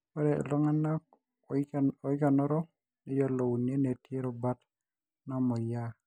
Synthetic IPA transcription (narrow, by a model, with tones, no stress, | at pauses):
pɔ˦ɾɛ̰˨lɔ˦ŋa˦na˦k̚ | ɔ˨ɪ˦ka˨nɔ˦ɾɔ˦ | ne˦d͡ʒɔ˦lo˨wu˨ne˦ne˨tje˦ɾɔ˨ba˦t | nɔ˦mɔ˨ja˦